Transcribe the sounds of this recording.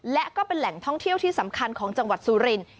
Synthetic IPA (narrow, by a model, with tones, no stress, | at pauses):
lɛ˦˥ʔkɔː˥˩pe˧nlɛ˨˩˦ŋt̪ʰɔ˥˩ŋt̪ʰi˥˩əwt̪ʰiː˥˩sa˩˦mkʰa˧nkʰɔː˩˦ŋt͡ɕa˧ŋwa˨˩t̪̚suː˧ɾi˧n